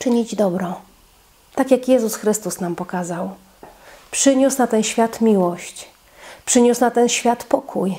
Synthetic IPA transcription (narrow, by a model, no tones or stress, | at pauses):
t͡ʂɘɲid͡ʑd̪ɔbɾɔ | t̪akjakjɛzusxɾɘst̪usnampɔkazaw | pʂɘɲusnat̪ɛnɕfʲjat̪mʲiwɔɕt͡ɕ | pʂɘɲusnat̪ɛnɕfʲjat̪pɔkʰuj